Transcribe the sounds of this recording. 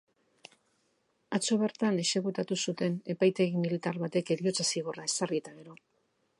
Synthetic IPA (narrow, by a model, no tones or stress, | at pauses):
at͡so̞βe̞ɾt̪ane̞se̞ɣut̪at̪usut̪e̞ne̞pajt̪e̞ɣimilit̪aɾβat̪e̞ke̞ɾio̞t͡sasiɣ̞orae̞sariet̪aɣe̞ɾo̞